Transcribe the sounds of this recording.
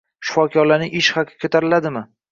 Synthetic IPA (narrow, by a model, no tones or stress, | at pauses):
ʃɪ̥fɒkʲʰɒɾlanɪʔɪʃhakʰkʰɵt̪ʰaɾɪlad̪ɪmɪ